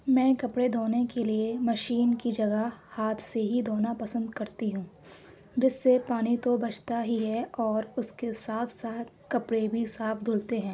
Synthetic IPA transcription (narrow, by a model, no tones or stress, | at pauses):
mɛ̃ːkɐpɽed̪ʱoːnekeliemɐʃiːnkid͡ʒɐɡahaːt̪ʰseɦid̪ʱoːnapɐsə̃nd̪kɐɾt̪iɦũː | d͡ʒɪsːepaːnit̪obɐt͡ʃt̪aɦiɦɛɔːɾʊskesaːt̪ʰsaːt̪̚ʰkɐpɽebʱisaːfd̪ʱʊlt̪eɦɛ̃ː